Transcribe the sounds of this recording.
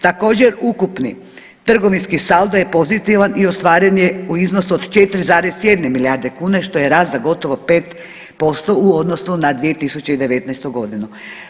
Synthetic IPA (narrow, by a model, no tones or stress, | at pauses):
t̪ako̞ːd͡ʑe̞ɾukupni | t̪r̩ɡo̞ʋinskisalˠd̪ojepo̞zit̪iʋaniost̪ʋaːɾenje̞uiznosuod̪t͡ʃet̪ɾizaːɾesje̞d̪nemiljaɾd̪e̞kuːne̞ʃt̪o̞je̞ɾaːt̪zaɡo̞t̪o̞ʋo̞peːt̪ | po̞st̪o̞uo̞d̪no̞sunad̪ʋije̞t̪isut͡ɕe̞id̪e̞ʋe̞t̪nɛest̪uɡo̞d̪inu